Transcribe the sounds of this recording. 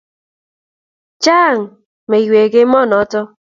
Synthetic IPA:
t͡ʃa˦˨ŋ̩˨ | me˨i˨we˨ɡe˦mɔ˦˨nɔ˨˦tɔ˦

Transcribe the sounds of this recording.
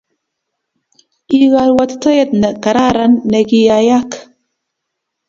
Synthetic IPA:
i˦ɣa˨lwa˦t̪t̪a˦je˦t̪nə˨ka˨ɾa˦ɾa˦nːə˨ɡi˦ja˨ja˦k

